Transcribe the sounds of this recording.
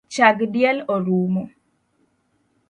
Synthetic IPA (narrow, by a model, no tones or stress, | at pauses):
t͡ʃaɡdjɛloɾumo